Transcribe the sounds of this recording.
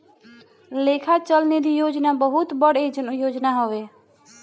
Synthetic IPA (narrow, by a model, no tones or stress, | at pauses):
leːkʰat͡ʃəlned̪ʱijoːd͡ʒnabəɦʊt̪bəɽed͡ʒənujoːd͡ʒnaɦoʋeː